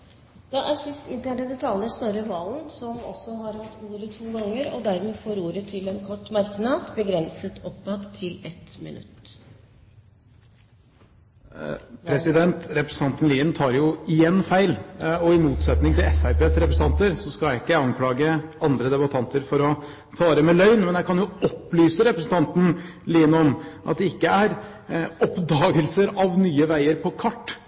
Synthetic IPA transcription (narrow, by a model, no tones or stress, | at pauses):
d̪̥ɑʔæɾsɪst̪ɪnt̪ɾɛd̪əd̪ɛt̪ʰɑlːəsnɔɾəʋɑːln̩sɔmɔ̰sːɔhɑɾhɑt̪ːuːɾət̪ʰuːɡɑŋːəɾɔd̪æɾmeːfoːɾuːɾət̪ʰɪlɛnkʰɔʈːmɑɾknɑd̪bəɡɾɛnsət̪ʰɔpmɑd̪t̪ʰːɪlɛt̪mɪ̰nʉ̰t̪ː | pʰɾɛsɪd̪ɛnt̪ɾɛpɾɛs̩t̪ʰɑnt̪n̩liːənt̪ʰɑːɾjʊɪjɛnːfæɪlɔɪmuːt̪sɛt̪nɪŋt̪ɪlɛfæɪpʰeːsɾɛpɾəsn̩t̪ɑnt̪əɾsɔskɑljæɪɪkːəjæɑŋkʰlɑːɡəɑnd̪ɾəd̪ɛbɑt̪ʰɑnt̪əɾfɔɾɔ | fɑːɾəmɛlœʏnmɛnjæɪkɑnjʊɔpːlyːsəɾɛpɾəsn̩t̪ʰɑnt̪n̩liːnɔmʔɑt̪̚d̪ɛɪkːəæɾ | ɔpd̪ɑːɡəlsəɾɑʋnyːəʋæɪəɾpʰɔkʰɑʈː